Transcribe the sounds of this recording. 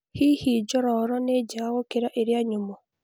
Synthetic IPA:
hiːhid͡ʒɔɾɔɾɔned͡ʒaːɣokeɾaʔeɾjaɲumo

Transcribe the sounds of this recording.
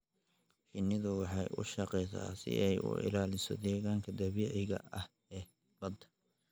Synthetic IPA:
fɪnɪðʊwɑħɑjʔʊ̰ʃɐqɛsa̰ːsɪ̰ʔɛjʊ̰ʔɪ̰laːlɪsɔ̰d̪ɛːɣaːŋkʰɐd̪ɐβiʕɪɣɐ̰ɐh | ɛː | bɐd̪

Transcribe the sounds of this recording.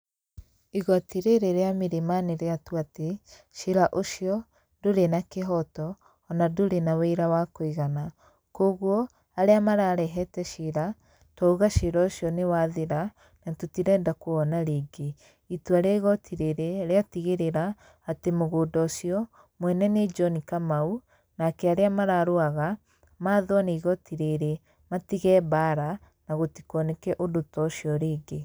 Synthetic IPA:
iɣɔatiɾeɾeɾeamiɾemaneɾeatuate | ʃeɾaʔoʃiɔ | doɾenakeɦɔtɔː | nadoɾenaweiɾawakoiɣana | koɣwɔ | aɾeamaɾaːɾɛɦɛtɛʃeɾa | tɔoɣaʃeɾɔoʃjɔnewaðeɾa | natutiɾɛːndakoɔnaɾeːɡe | ituaɾaiɣɔtʰiɾeɾeɾeatiɣeɾeɾaː | temoɣoːdɔʃiɔ | mwɛnɛned͡ʒɔnikamau | nakɛaɾeamaɾaɾoaɣa | maːðwaneiɣɔtiɾeɾe | matiɣɛːbaːɾa | naɣotikɔnɛkɛʔodotɔɕiɔɾeːɡe

